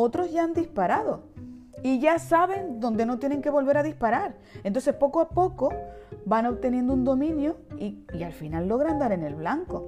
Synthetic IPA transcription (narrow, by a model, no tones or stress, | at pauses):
ot̪ɾo̞zʝaand̪ispaɾaðo̞iʝasaβe̞nd̪o̞nd̪e̞no̞t̪je̞ne̞ŋke̞βo̞lβe̞ɾaðispaɾaɾ | ent̪o̞ns̬e̞spo̞koapo̞ko̞bano̞βt̪e̞nje̞nd̪ound̪o̞mĩnjoiialfinalːo̞ɣ̞ɾand̪aɾe̞ne̞lβlaŋko̞